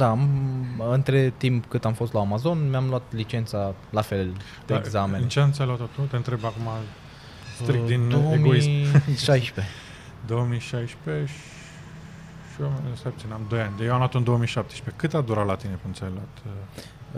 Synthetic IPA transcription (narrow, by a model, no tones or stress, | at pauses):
d̪amɨnt̪ɾet̪impkɨt̪amfo̞st̪laamazo̞nmeamlat̪lit͡ʃe̞nt̪salafe̞l | d̪eeaɡzament͡ʃeamt̪sʲajloat̪ot̪ut̪eɨnt̪ɾebakuma | st̪ɾik̚d̪ind̪owemɡoisʃajʃpe | d̪owəmiʃajʃpeʃ | ʃiwamesajpt̪inamd̪o̞janʲajewamloat̪oɨnd̪o̞omiʃap̚t̪eʃpe̞kɨt̪ad̪uɾat̪lat̪inepunsʲajlwat̪